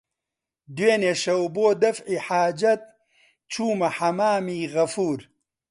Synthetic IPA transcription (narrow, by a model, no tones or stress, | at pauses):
d̪weːneːʃɐwboːd̪ɐfʕiħaːd͡ʒɐt̪̚ | t͡ʃuːmɐħɐmaːmiːɣɐfuːɾ